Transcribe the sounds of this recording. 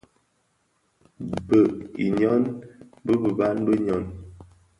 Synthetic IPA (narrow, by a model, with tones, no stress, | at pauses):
bə˨ḭ˨ɲɔ˦nbə˦bə˨ba˦n˦bə˦ɲɔ˨n